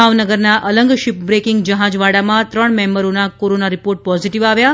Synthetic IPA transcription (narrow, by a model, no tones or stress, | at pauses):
aʋnəɡəɾnaʔələŋɡʃip̚bɾekiŋɡd͡ʒəɦãd͡ʒʋaɽamãt̪ɾəɳmɛmbəɾonakoɾonaɾipoɾʈ̚pɔziʈiʋaʋja